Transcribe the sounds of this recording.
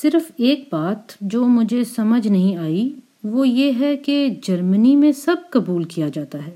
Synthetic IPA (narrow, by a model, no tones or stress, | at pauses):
sɪɾfeːk̚baːt̪d͡ʒoːmʊd͡ʒʱesɐməd͡ʒʱnɐɦĩaːi | ʋojeɦɛked͡ʒɐɾmənimẽsɐb̚kɐbuːlkijad͡ʒaːt̪aɦɛː